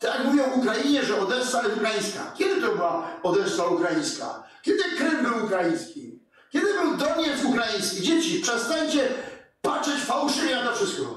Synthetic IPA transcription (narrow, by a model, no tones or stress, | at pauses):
t̪akmuvʲjɔ̃w̃ukɾaiɲɛʐɛɔd̪ɛst̪aɛukɾajĩj̃ska̰kʲɛd̪ɘt̪ɔbɘwaɔd̪ɛsaukɾajĩjska̰kʲɛd̪ɘkɾɪmbɘwukɾajĩj̃skʲi | kʲɛd̪ɘbɘwd̪ɔɲɛt̪sukɾajĩj̃skʲid͡ʑet͡ɕipʂɛst̪aɲt͡ɕɛpatt͡ʂɛt͡ɕfawʂɨvʲɛnat̪ɔfʂɘst̪kɔ